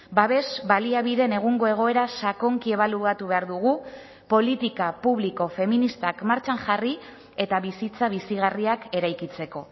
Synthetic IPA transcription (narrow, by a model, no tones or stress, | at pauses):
baβe̞zbaliaβiðe̞ne̞ɣ̞uŋɡo̞e̞ɣ̞o̞e̞ɾasako̞ŋkie̞βaluat̪uβe̞aɾðuɣ̞u | po̞lit̪ikapuβliko̞fe̞minist̪akmaɾt͡ʃaŋʝari | e̞t̪aβisit͡saβ̞isiɣ̞ariake̞ɾajkit͡se̞ko̞